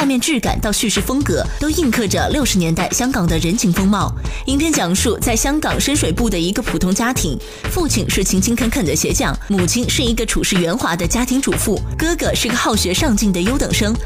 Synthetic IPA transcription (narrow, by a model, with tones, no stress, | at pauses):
a˥˧mjɛ˥˧nʈ͡ʂɻ̩˥˩ka̰˨˩nt̪ɑ˥˧ʊɕy˥˧ʂɻ̩˥˩fɤ˥ŋkɤ˧˥t̪o˥ʊi˥˧ŋkʰɤ˥˩ʈ͡ʂə˩ljo˥˩ʊʂɻ̩˧˥njɛ˧˥nt̪a˥˩ɪɕjɑ˥ŋkɑ˨˩ŋd̪ə˦ɻə˧˥nt͡ɕʰi˧˥ŋfɤ˥ŋmɑ˥˩ʊi˧˥npʰjɛ˥nt͡ɕjɑ˨˩ŋʂu˥˧t͡sa˥˩ɪɕjɑ˥ŋkɑ˨˩ŋʂə˥nʂwe˨˩ɪpu˥˩d̪ə˩i˧˥ɡə˧pʰu˨˩t̪ʰʊ˧˥ŋt͡ɕja˥t̪ʰi˧˥ŋ | fu˥˧t͡ɕʰi˥˩nʂɻ̩˥˩t͡ɕʰi˧˥ŋt͡ɕʰi˥ŋkʰə˧˥nkʰə˨˩nd̪ə˦ɕjɛ˧˥t͡ɕjɑ˥˩ŋmu˨˩t͡ɕʰi˥nʂɻ̩˥˩i˧˥ɡə˧ʈ͡ʂʰu˨˩ʂɻ̩˥˩ɥɛ˧˥nxwa˧˥d̪ə˧t͡ɕja˥t̪ʰi˧˥ŋʈ͡ʂu˨˩fu˥˩kɤ˥ɡɤ˧˥ʂɻ̩˥˩ɡə˧xɑ˥˩ʊɕɥɛ˧˥ʂɑ˥˧ŋt͡ɕi˥˩ŋd̪ə˩jo˥ʊt̪ɤ˨˩ŋʂɤ˥ŋ